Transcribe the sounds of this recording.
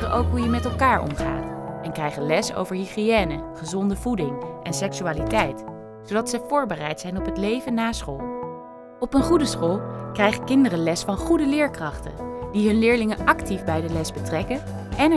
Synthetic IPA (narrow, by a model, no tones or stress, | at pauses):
rəʔowkɦujəmɛtɛlˠkaːɹʔɔ̰mχa̰ːtʔɛnkrɛjχənlɛso̰wvəɹɦiχiɛːnəχəzɔndəvudɪŋʔɛnsɛksyaːlitɛjt | sowdɑtsəv̥ʊːɹbərɛjtsɛjnɔpɦətlejvənːaːsχolˠ | ɔpənχudəsχolˠkrɛjχəkɪndərəlɛsfɑnχudəlɪːɹkrɑχtə̰nd̥iɦɵnlɪːɹlɪŋənɑktifbɛjdəlɛsbətrɛkən | ɛn